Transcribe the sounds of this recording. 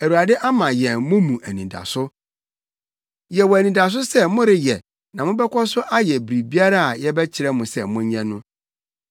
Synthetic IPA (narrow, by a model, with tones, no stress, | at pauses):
æ˨ɾu˨ɾa˨dɪ˦ʔa˦mã˨jɛ̃˨mʊ̃˦mũ˨ʔæ˨nĩ˨da̰˨sʊ˦ | jɛ˨wɔ˨æ˨nĩ˨da˨s̬ʊ˦sɛ˦mʊ̃˦ɾɪ˨jɛ˨ | nã˨mʊ̃˦bɛ˦kʰɔ˦sʊ˦ʔa˦jɛ˨bɾi˨bi˦a˦ɾa˦a˨jɛ˦bɛ˦t͡ɕʰɪ˨ɾɛ˦mʊ̃˨sɛ˨mʊ̃˦ɲ˦ɲɛ̃˦nʊ̃˦